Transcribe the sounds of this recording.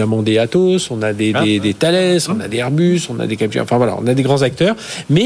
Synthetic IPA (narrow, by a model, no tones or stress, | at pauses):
amɑ̃d̪eat̪osɔ̃nad̪eded̪et̪alɛsɔ̃na̰d̪eɛʁbysɔ̃na̰d̪ekapkʲɛ̰̃ɑ̰̃fɛ̃vwala̰ɔ̰̃nad̪eɡʁɑ̃zak̚t̪œːʁmɛ